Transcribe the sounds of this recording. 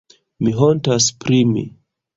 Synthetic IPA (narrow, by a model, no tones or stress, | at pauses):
miɦontaspɾimḭ